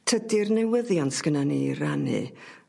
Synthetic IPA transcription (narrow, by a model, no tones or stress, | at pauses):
tʰədɪrnɛwəðjansɡ̥ənaniːranḭ